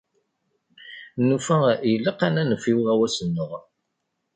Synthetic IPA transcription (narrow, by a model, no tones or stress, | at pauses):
nufæjəlːəqːanænəfiwʁæwæsənːəʁ